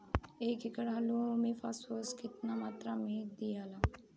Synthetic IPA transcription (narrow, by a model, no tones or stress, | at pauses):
eːkɪkəɽaːlumẽfaːsoskɪt̪namaːt̪ɾamẽd̪ijaːlaː